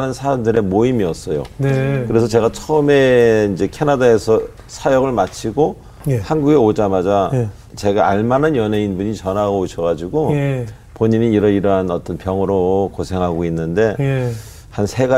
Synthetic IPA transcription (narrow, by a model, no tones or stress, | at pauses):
nɯnsʰaɾandɯɾe̞moimiʌs͈ʌjo̰nekɯɾe̞sʰʌt͡ɕe̞ɡat͡ɕʰʌɯme̞ind͡ʑe̞kʰenadae̞sʰʌ | sʰajʌɡɯɭmat͡ɕʰiɡo | ehanɡuɡe̞od͡ʑamad͡ʑa | t͡ɕe̞ɡaaɭmananjʌne̞inbuɲit͡ɕʌnaɡoɕʰʌɣad͡ʑiɡo | poɲiɲiːɾʌiɾʌɦanʌt͈ʌnpjʌŋɯɾokosʰe̞ŋɦaɡoinːɯnde̞ | hansʰe̞ɡa